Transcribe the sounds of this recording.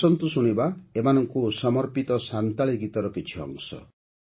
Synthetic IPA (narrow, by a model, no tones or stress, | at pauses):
ɔnt̪usuɽ̃ibaemanɔŋkusɔmɔɾpit̪ɔsant̪aɭiɡit̪ɔɾɔkit͡ʃʰiɔ̰ŋsɔ̰